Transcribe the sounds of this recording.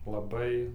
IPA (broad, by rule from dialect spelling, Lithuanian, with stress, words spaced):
lˠɐˈbɐɪ